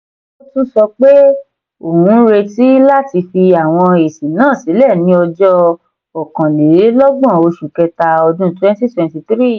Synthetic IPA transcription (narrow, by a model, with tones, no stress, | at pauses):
o˦tu˦sɔ˧k͡pe˦ | o˨hũ˧˦ɾe˧ti˦la˦˨ti˧fi˧a˨w̃ɔ̃˧e˨si˨nãː˦˨si˨˦lɛ˦˨nĩ˧˦ɔ˧d͡ʒɔ˦ | ɔ˨kã˨le˨˦lɔ˦ɡ͡bɔ̃˦˨o˧ʃu˨kɛ˧ta˧ɔ˧dũ˦twɛ̃˦nti˦twɛ̃˨nti˧t̪ɾi˦˨